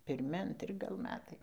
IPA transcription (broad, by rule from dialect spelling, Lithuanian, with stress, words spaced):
pʲɪrʲˈmʲɪ ɐnʲˈtʲrʲɪ ɡɐlˠ ˈmʲæːtɐɪ